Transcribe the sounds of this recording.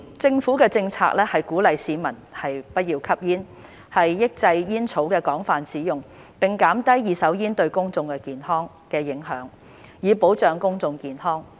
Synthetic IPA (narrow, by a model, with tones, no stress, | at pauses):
t͡sɪ˧ŋfuː˨˥kɛː˧t͡sɪ˧ŋt͡sʰa̰ː˧k̚lɛː˥hɐ˨jkuː˨˥lɐ˨jsiː˨˥mɐ˨˩nhɐ˨jpɐ˥t̚jiː˧wkʰɐ˥p̚jiː˥n | hɐ˨jːɪ˥k̚t͡sɐ˧jjiː˥nt͡sʰo˨˥wkɛː˧kɔː˨˥ŋfaː˨nsiː˨˥jʊ˨˩ŋ | pɪ˨ŋkaː˨˥mt̪ɐ˥jjiː˨˧sɐ˨˥wjiː˥nt̪ɵ˧ɥkʊ˥ŋt͡sʊ˧ŋkɛː˧kiː˨nhɔː˥ŋ | kɛː˧jɪ˨˥ŋɦœː˨˥ŋ | jiː˨˧po˨˥wt͡sœː˨˧ŋkʊ˥ŋt͡sʊ˧ŋkiː˨˩nhɔː˥ŋ